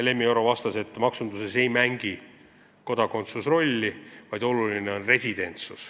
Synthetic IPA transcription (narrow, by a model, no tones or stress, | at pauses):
le̞mieɾo̞vɑst̪ɑse̞t̪ːˑmɑksund̪use̞se̞jmæŋɡ̥i | ko̞d̪ɑko̞nt̪susro̞lʲːivɑjd̪o̞lulineo̞nre̞sʲid̪̥e̞nt̪sus